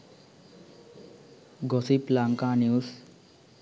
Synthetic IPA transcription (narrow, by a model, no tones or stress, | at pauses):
ɡʌsiplaŋkaniws